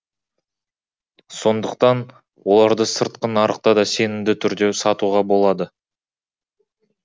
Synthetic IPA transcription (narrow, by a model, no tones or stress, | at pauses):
so̞nd̪əq̚t̪ɑn | wo̞lˠɑɾd̪əsəɾt̪̚qənɑɾəq̚t̪ɑd̪ɑse̞nɪmd̪ɪt̪ʰʏɾd̪e̞sɑt̪uʁɑbo̞lˠɑd̪ə